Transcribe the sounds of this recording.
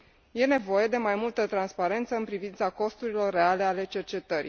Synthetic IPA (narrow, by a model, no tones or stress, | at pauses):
je̞ne̞vo̞je̞d̪e̞majmult̪ət̪ɾanspaɾe̞nt̪səɨnpɾivint̪sako̞st̪uɾilo̞rːe̞ale̞ale̞t͡ʃe̞rt͡ʃe̞t̪əɾḭ